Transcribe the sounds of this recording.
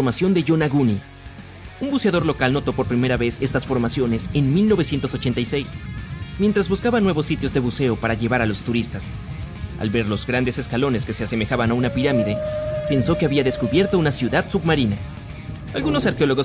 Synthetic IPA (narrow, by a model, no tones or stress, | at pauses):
ɾmasjo̞nd̪e̞ʝonaɣuni | umbuse̞aðo̞ɾlo̞kalno̞t̪o̞po̞ɾpɾime̞ɾaβe̞se̞st̪asfo̞ɾmasjo̞ne̞se̞nmilno̞βe̞sjent̪o̞so̞t͡ʃe̞nt̪ajse̞jsmjent̪ɾazβuskaβanwe̞βo̞sːit̪jo̞zðe̞βuse̞o̞paɾaʝe̞βaɾalo̞st̪uɾist̪as | a̰lβe̞ɾlo̞zɡɾand̪e̞se̞skalo̞ne̞ske̞se̞aseme̞xaβanaunapiɾamiðe̞pe̞nso̞ke̞aβiaðe̞skuβje̞ɾt̪o̞unasjuðaðsubmaɾina | alɣuno̞saɾkeo̞lo̞ɣo